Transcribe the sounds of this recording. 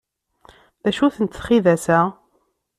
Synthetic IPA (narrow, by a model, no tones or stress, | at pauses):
ðæʃuθənt̪θχiðæsæ